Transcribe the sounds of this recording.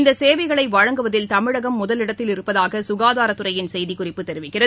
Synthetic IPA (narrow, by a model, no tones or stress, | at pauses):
nd̪ɐseːʋɐɪɣɐɭɐɪʋɐɻɐŋɡɯʋɐðɪlt̪ɐmɪɻɐɣɐmːʊðɐlɪɽɐt̪ːɪlɪɾɯpːɐðaːɣɐsʊɣaːðaːɾɐt̪ːɯrɐjɪnsɛjðikʊrɪpːɯt̪ːɛɾɪʋɪkːɪrɐ